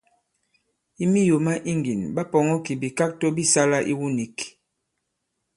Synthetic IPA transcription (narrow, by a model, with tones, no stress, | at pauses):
i˦mi˦jo˨ma˦ʔi˦ŋɡi˨nba˦pɔ˨ŋɔ˦ki˨bi˨ka˦k̚to˦bi˦sa˦la˦ʔḭ˦wu˦ni˨k